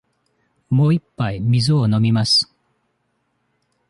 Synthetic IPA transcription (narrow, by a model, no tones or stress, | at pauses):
mo̞ːipːaimʲizɨono̞mʲimasɨ̥